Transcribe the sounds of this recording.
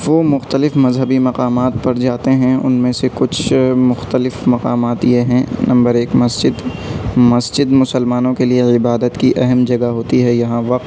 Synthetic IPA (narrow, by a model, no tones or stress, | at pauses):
ʋoːmʊxt̪əlɪfmɐzɦəbimɐqaːmaːt̪̚pɐɾd͡ʒaːt̪eɦɛ̃ʊ̰nmẽsekʊt͡ʃʰmʊxt̪əlɪfmɐqaːmaːt̪jeɦɛ̃nɐ̃mbəɾeːkmɐsd͡ʒɪd̪mɐsd͡ʒɪd̪mʊsəlmaːnõkelieɪbaːd̪ət̪kiʔɛɦɛmd͡ʒɐɡaɦoːt̪iɦɛjɐɦãʋɐq̚t̪